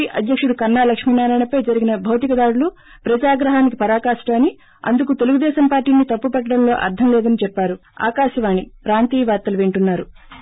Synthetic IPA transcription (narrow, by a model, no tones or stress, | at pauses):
ʔɐd̪jɐkʂuɽukɐɾnːaːlɐkʂmiːnaːɾajɳɐpɐjd͡ʒɐɾiɡinɐbʱɐwt̪ikɐd̪aːɽulu | pɾɐd͡ʒaːɡɾɐɦaːnikipɐɾaːkaːʂʈaːni | ɐ̰nd̪ukut̪e̞luɡud̪ɛːʃɐmpaːɾʈiːnit̪ɐpːupɐʈːɐɽɐmlo̞ːʔɐ̰ɾd̪ʱɐmlɛːd̪ɐnit͡ʃɛpːaːɾu | a̰ːkaːʃɐʋaːnipɾaːnt̪iːʋaːɾt̪ɐluʋeɳʈunːaːɾu